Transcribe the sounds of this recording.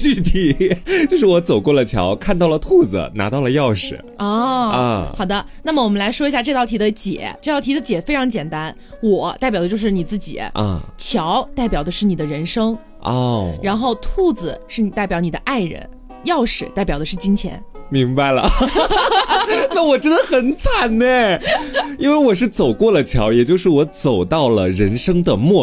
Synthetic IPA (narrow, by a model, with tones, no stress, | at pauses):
t͡ɕy˥˧˩t̪ʰi˧˩t͡ɕjo˥˧ʊʂɻ̩˥˩wɔ˧˥t͡so˨˩ʊkwɔ˥˩lə˩t͡ɕʰjɑ̰˧˥ʊkʰa˥˧nt̪ɑ˥˩ʊlə˩t̪ʰu˥˩d͡z̩̰˩na̰˧˥t̪ɑ˥˩ʊlə˩jɑ˥˩ʊʂɻ̩˨˩˦ɔ˥˩ə˧˩xɑ˨˩ʊd̪ə˦ | na˥˩mə˩wɔ˨˩mə˦nla˧˥ɪʂwɔ˥i˧˥ɕja˥˧ʈ͡ʂɤ˥˧t̪ɑ˥˩t̪ʰi˧˥d̪ə˧t͡ɕjɛ̰˨˩˦ʈ͡ʂɤ˥˧t̪ɑ˥˩t̪ʰi˧˥d̪ə˧t͡ɕjɛ˨˩fe˥ɪʈ͡ʂʰɑ˧˥ŋt͡ɕjɛ˨˩nt̪a˥n | wɔ˨˩˦t̪a˥˩pjɑ˨˩ʊd̪ə˦t͡ɕjo˥˧ʊʂɻ̩˥˩ni˨˩t͡sɹ̩˥˩t͡ɕḭ˨˩˦ʔə̰˧˩t͡ɕʰjɑ˧˥ʊt̪a˥˩ɪpjɑ˨˩ʊd̪ə˦ʂɻ̩˥˩ni˨˩d̪ə˦ɻə˧˥nʂɤ˥ŋ | ʔɔ˥˩ɻa˧˥nxo˥˧ʊt̪ʰu˥˩d͡zɹ̩˩ʂɻ̩˥˩ni˨˩t̪a˥˩ɪpjɑ˧˥ʊni˨˩d̪ə˦ʔa˥˩ɪɻə̰˧˥n | jɑ˥˩ʊʂɻ̩˨˩˦t̪a˥˩ɪpjɑ˨˩ʊə˦ʂɻ̩˥˩t͡ɕi˥ŋt͡ɕʰjɛ̰˧˥nmi˧˥ŋba˧ɪlə̰˩ | na˥˩wɔ˨˩ʈ͡ʂɻ̩˧˥d̪ə˧xə˨˩nt͡sʰa˨˩nne˥˩ | i˥nwe˥˩ɪwɔ˨˩ʂ̬ɻ̩˥˩t͡so˨˩ʊkwɔ˥˩lə˩t͡ɕʰjɑ˧˥ʊjɛ˨˩t͡ɕjo˥˧ʊʂɻ̩˥˩wɔ˧˥t͡so˨˩ʊt̪ɑ˥˩ʊlə̰˩ɻə˧˥nʂɤ˥ŋd̪ə˨mwɔ˥˩